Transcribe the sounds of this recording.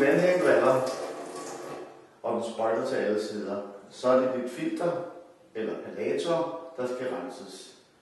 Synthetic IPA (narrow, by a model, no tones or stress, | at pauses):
ʋenɦeŋɡ̥ʋæl̰ɐ | ʔɒ̽d̥ensb̥ʁɑɪd̥ɐt͡sʰɛæl̩seð̰ˠɐsɒ̽æɐd̥e̝b̥yd̥fil̰d̥ɐ | elɐpʰælɛːt͡sʰɒd̥ɑ̈sɡ̥æʁɑnsəs